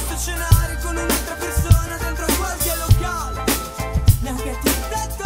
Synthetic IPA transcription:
ot͡ʃenaːɾjokonunalt̪ɾapersoːnad̪ɛnt̪ɾakwalsialːokaːle | nakat̪ːit̪ɛt̪ː

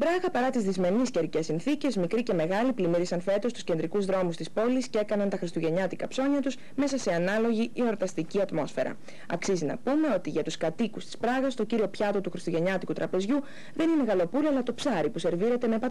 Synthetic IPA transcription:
bɾɐɣɐpɐɾɐt̪izðizme̞nisceɾice̞sinθice̞zmikɾice̞me̞ɣɐliplimiɾisɐnfe̞t̪o̞st̪u̥sce̞nd̪ɾikuzðɾo̞must̪ispo̞liscee̞kɐnɐnt̪ɐxɾist̪uʝe̞ɲɐt̪ikɐpso̞ɲɐt̪us | me̞sɐse̞ɐnɐlo̞ʝiʔio̞ɾt̪ɐst̪iciɐt̪mo̞sfe̞ɾɐ̰ | ɐ̰ksizinɐ̰pume̞o̞t̪iʝɐt̪uskɐt̪ikust̪i̥spɾɐɣɐst̪o̞ciɾio̞pçɐt̪o̞t̪uxɾist̪uʝeɲɐt̪ikut̪ɾɐpe̞zʝu | ðe̞nine̞ɣɐlo̞puloɐlɐt̪o̞psɐɾipuse̞ɾviɾe̞t̪eme̞pɐt̪

